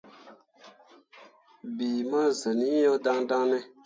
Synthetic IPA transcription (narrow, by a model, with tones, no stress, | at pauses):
bi˨ma˦zə˨ni˦jo˦da˦ŋda˦ŋnɛ˦